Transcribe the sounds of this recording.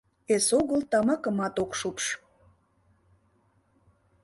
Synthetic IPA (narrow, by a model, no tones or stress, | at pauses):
esoɣəlt̪ɑmɑkə̆mɑt̪okʃupʃ